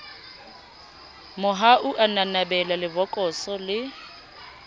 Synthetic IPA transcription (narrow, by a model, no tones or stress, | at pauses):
mʊɦaʔuʔananabɛlalɪbɔkʼɔsɔlɪ